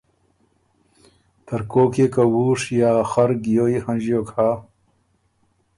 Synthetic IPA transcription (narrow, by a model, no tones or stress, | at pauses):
t̪ɐɾkoːkekɐwuːʂjaːxɐɾɡijoːihɐnd͡ʑjoːkʰaː